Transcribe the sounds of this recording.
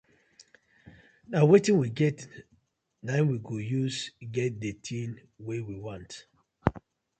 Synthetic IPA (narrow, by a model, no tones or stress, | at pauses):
nawetĩnwiɡɛt | nãɪ̃nwiɡojusɡɛt̚detʰĩn | wewiwɔ̃nt